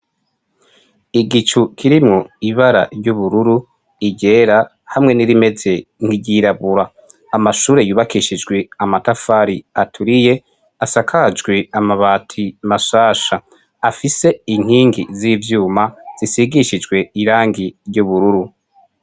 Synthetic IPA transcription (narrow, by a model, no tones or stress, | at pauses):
iɡit͡ʃukʰiɾimŋo̞iβaɾa̰ɾjuβuɾuɾu | iɟe̞ːɾa | hamŋe̞niɾime̞ze̞ŋ̥hiɟiɾaβuɾaː | maʃuːɾe̞juːβakiʃid͡ʒɡwe̞amatafaːɾiatʰuɾije̞ | asakʰad͡ʒɡweamaβaːtʰimaʃaːʃa | afise̞iŋ̥hiːŋɡizivjuːmaz̥isiɡiʃid͡ʒɡwe̞iɾaːŋɡijuβuɾuɾu